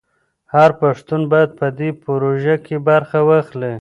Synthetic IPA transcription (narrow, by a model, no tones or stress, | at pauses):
haɾpaʂt̪unbajad̪̚pəd̪epɾoʒakebaɾxawaxli